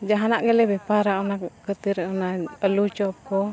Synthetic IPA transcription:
d͡ʒaɦanaʔɡəlɛbɛpaɾaɔnakkət̪iɾɛɔnaəlut͡ʃɔp̚kɔ

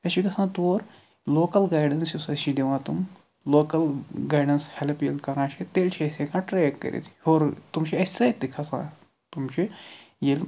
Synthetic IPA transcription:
t̪ɐʃiɡɐsãt̪oːɾ | loːkɐlɡaːjɖɐnsusɐʃid̪eʋãːt̪um | loːkɐlɡaːjɖɐnshelpjelkɐɾãːʃʰet̪eːlt͡ʃʰiɐsekãːʈɾekːɐ̰ɾʔḛt̪ʰhoːɾt̪umʃʰiɐsajd̪ikʰasã̰ː | t̪umt͡ʃʰi | jel

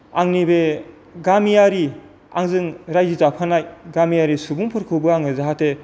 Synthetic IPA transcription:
aŋnibe | ɡamijaɾi | a̰ŋzɯŋɾajizapʰanajɡamijaɾisubuŋpʰɯɾkʰɯwbɯaŋɯzaɦatʰe

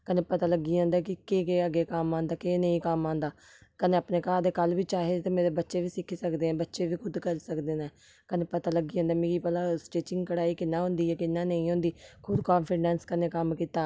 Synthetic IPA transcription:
kəneːpət̪aːləɡːiːãːnd̪aːkɪkeːkeːəɡeːkamãːnd̪aːkeːnəĩːkəmãːnd̪aː | kəneːəpneːkaːd̪eːkəlʋiːt͡ʃaːɦeːt̪eːmeːɾeːbətːʃeːʋiːsɪkʰːiːsəkd̪eːɛ̃ːbətːʃeːʋiːkʰʊd̪kəlsəkd̪eːnɛː | kəneːpət̪aːləɡiːãːnd̪aːmẽːkiːpəlaːsʈeːt͡ʃɪŋɡkəɽaːiːkɪnːãːɦʊ̃nd̪iːɛːkɪnːãːnəĩːɦõːnd̪iːkʰʊd̪kaːnpʰiɖɛ̃ːnskəneːkəmkiːt̪aː

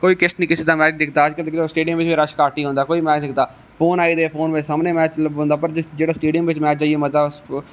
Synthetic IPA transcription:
koːiːkɪsʈ̪nĩːkɪseːd̪aːmɛːt͡ʃd̪ɪkʰt̪aːəd͡ʒkəlkɪoːsʈeːɖɪjəmʋɪt͡ʃʋiːɾəʃkaːʈiːɦõːnd̪aːkoːiːmɛːt͡ʃd̪ɪkʰt̪aː | pʰoːnaːiːd̪eːpʰoːnʋɪt͡ʃsaːmneːmɛːt͡ʃbõːnd̪aːpəɾd͡ʒɪd͡ʒeːɽaːsʈeːɖɪjəmʋɪt͡ʃmɛːt͡ʃaːieːmət̪aːs

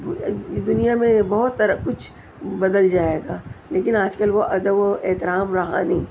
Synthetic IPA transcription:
d̪ʊnijamẽbɐɦʊt̪ːɐɾkʊt͡ʃʰ | bɐd̪əld͡ʒaːeːɡaːleːkɪnaːd͡ʒkɐlʋoʔɐd̪əboeɦt̪ɪɾaːmɾɐɦa̰ːni

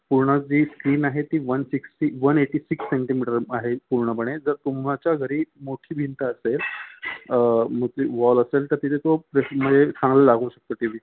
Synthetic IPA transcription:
puɾɳəd͡ʑiːskɾiːnaɦet̪iːʋənsiksiʋəneʈiːsiksːeɳʈimiʈəɾaɦepuɾɳəpəɽ̃ed͡zəɾt̪umɭat͡ɕjaɡʱəɾiːmoʈʰiːbʱint̪aəsel | m̤ət̪iʋɔləselt̪əɾt̪it̪ʰet̪opɾeməd͡zʱesãŋɡləlaɡuːɕək̚t̪ot̪imiː

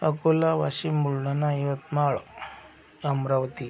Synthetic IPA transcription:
əkolaʋaɕimuɭnanaiʋət̪maɭ | əmɾaʋt̪i

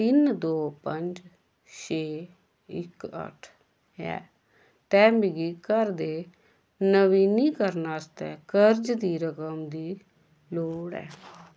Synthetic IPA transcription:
t̪ɪnd̪oːpəɲd͡ʒ | t͡ʃʰeː | ɪ̰kə̰ʈʰ | ɛ̰ː | t̪ɛːmbɪɡiːkəɾd̪eː | nəʋiːniːkəɾnaːst̪ɛ̰ːkəɾd͡ʒd̪iːɾəkəmd̪iː | loːɽɛ̰ː

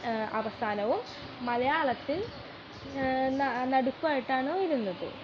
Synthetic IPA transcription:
ɐʋɐst̪ʰaːnɐʋumː | ɐlɐjaːɭɐt̪ːil | nnɐɽukːuʋaːjiʈːaːɳoːiɾunːɐðɨ̰

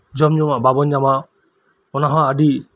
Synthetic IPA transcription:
d͡ʒɔmɲɔmaʔbabɔɲːamaʔ | ɔnaɦãaɖi

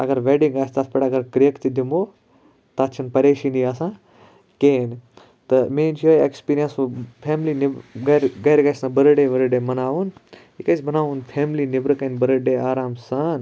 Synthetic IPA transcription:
ɐ̰ɡɐɾʋeːɖiŋɡaːst̪aːt̪pɐɽɐɡɐɾkɾijəkt̪id̪ʱimoː | t̪aːt͡ʃʰɐnpɐɾeːʃiːnd̪iːaːsãː | keːn | t̪ɐmẽːnt͡ʃʰoːekspiːɾijənspʰeːmlinɪɡɐɾɡɐːɾɡaːsãːbɐɾəɖeːʋɐɾəɖeːmɐnaːʋun | ikɐsbʱɐnaːʋunpʰeːmlinɪʋɾɐkɐnbɐɾəɖeːaːɾaːmsaːn

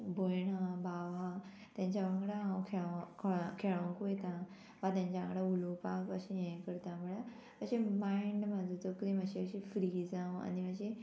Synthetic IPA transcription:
bʱojɳabaʋã | t̪jãɲt͡ɕaʋəŋɡɽaãwkʰekʰkʰeɭãkujet̪ã | ʋat̪̬jãɲt͡ɕaə̃ŋɡɽaulopakəɕẽjẽjkəɾt̪amuɭa | əɕẽmaiɳɖmad͡zot͡s̪okɾiməɕeəɕĩfɾid͡zãwa̰niməɕe

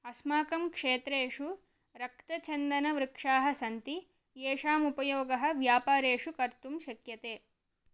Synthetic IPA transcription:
ɐsmaːkɐmkʂeːt̪ɾeːʂu | ɾɐkt̪ɐt͡ʃɐnd̪ɐnɐʋɾɪkʂaːɦɐsɐnt̪i | jeːʂaːmupɐjoːɡɐɦɐ̆ʋjaːpaːɾeːʂukɐɾt̪umʃɐkjɐt̪eː

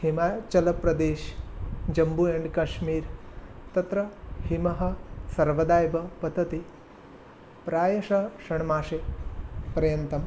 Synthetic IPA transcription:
himaːt͡ʃɐlɐpɾɐd̪eːʃd͡ʒɐmbueːɳɖkɐʃmiːɾt̪ɐt̪ɾɐhimɐɦɐ̆sɐɾʋɐd̪aːjbɐpɐd̪ɐt̪i | pɾaːjɐʂɐʃɐɳmaːʂe | pɐɾɐjɐnt̪ɐm

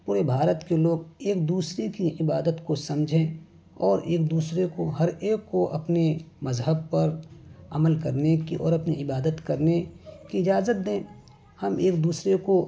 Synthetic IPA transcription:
puːɾebʱaːɾət̪keloːɡeːk̚d̪uːsɾekiɪbaːd̪ət̪kosɐ̃md͡ʒʱẽː | ɔːɾeːk̚d̪uːsɾekoɦɐɾeːkːoʔɐpnemɐzɦəb̚pɐɾɐməlkɐɾnekiʔɔːɾɐpniɪbaːd̪ət̪kɐɾnekiɪd͡ʒaːzət̪̚d̪ẽː | hɐmeːk̚d̪uːsɾeko

